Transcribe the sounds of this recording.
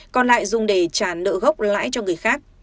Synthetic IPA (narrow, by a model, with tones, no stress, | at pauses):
kɔ˧nla̰ː˧˨jzʊ˨˩ŋ͡mɗe˧˩t͡ɕaː˧˩nə̰ː˧˨ɣə˦˥wk͡p̚la̰ː˧˥jt͡ɕɔ˧ŋɨ˨˩əjxaː˦˥k̚